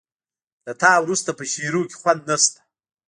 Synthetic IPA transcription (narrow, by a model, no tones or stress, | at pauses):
lat̪ɑwɾust̪apəʃiɾokʲe̥xwand̪̚nast̪ḁ